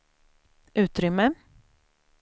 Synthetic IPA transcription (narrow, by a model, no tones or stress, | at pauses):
ʔʉ̟ːt̪ɾʏmːə